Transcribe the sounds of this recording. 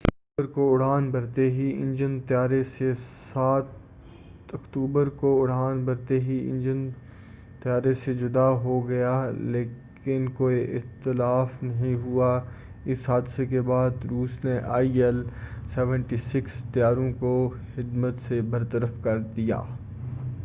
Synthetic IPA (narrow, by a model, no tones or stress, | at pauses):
uːbəɾkoʊɽaːnbɐɾt̪eɦiɪ̰̃nd͡ʒənt̪ɪjaːɾesesaːt̪ | ɐkt̪uːbəɾkoʊɽ̤aːnbɐɾt̪eɦiɪ̰̃nd͡ʒən | t̪ɪjaːɾesed͡ʒʊd̪aɦoɡɐjaleːk | ɪnkoːiʔɪxt̪ɪlaːfnɐɦĩɦua | ɪsɦaːd̪sekebaːd̪ɾuːsneʔa̰ːiɛlsɛːʋə̃ɳʈisɪkst̪ɪjaːɾõkoxɪd̪mət̪sebɐɾt̪əɾəfkɐɾd̪ija̰ː